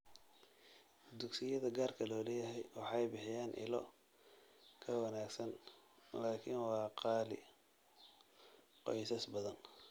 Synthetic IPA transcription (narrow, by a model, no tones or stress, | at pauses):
d̪ʊɡsɪjɐðɐɡaːrkʰɐlɔːlɛjɐɦɛjwɑħɑjbɪħɪjaːnʔɪ̰lɔ̰ | kʰɐwɐnaːɡsɐnlaːkʰɪnwɑːqɑːlɪ̰ | qɔ̰jsɐsbɐðɐn